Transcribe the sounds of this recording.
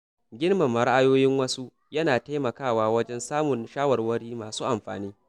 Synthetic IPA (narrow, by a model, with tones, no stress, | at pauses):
ɡʲɪ˦nmɐ˨mːɐ˨ɽa˦ʔa˦joː˦jɪ˦ŋwɐ˦su˦ | jɐ˦naː˨ta˦mɐ˨kaː˦˨waː˨wɐ˦d͡ʒɛ˦nsaː˦mʊ˨nʃaː˦wɐ˨rwɐ˦ɽiː˦maː˨suː˦ʔa˨mɸa̰ː˨niː˦